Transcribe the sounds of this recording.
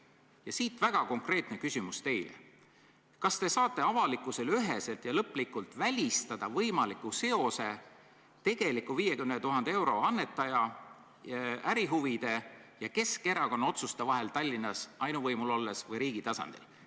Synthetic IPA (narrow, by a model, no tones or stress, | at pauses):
jɑsiːt̪væɡ̥ɑko̞ŋkre̞ːt̪nekysʲimust̪e̞jlḛ | kɑst̪e̞sɑːt̪ːˑe̞ɑvɑlikːˑuse̞lyɦe̞se̞lt̪jɑlɤpːˑlikːult̪ˑvælʲist̪ɑd̪̥ɑvɤjmɑlikːˑuse̞o̞se̞ | t̪e̞ɡ̥e̞likːuviːje̞kymnet̪uɦɑnd̪ee̞wɾo̞ɑnːe̞t̪ːˑɑjɑ | æɾiɦuvid̪̥e̞jɑke̞ske̞ɾɑko̞nːɑo̞t̪sust̪evɑɦe̞lt̪ɑlʲːinːɑsɑjnuvɤjmulo̞lːesvɤjɾiːɡ̥it̪ɑsɑ̰nd̪̥ḭl